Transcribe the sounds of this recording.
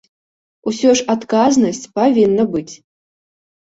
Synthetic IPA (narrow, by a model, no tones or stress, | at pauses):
usʲɔʂat̪kaznɐsʲt͡sʲpavʲinːɐbɨt͡sʲ